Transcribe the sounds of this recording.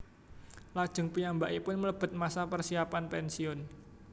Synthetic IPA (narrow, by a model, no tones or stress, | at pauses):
lad̥ʒ̥ə̤ŋpijambaʔipʊnmələb̥ə̤t̪̚masapərsiapanpɛnsiʊn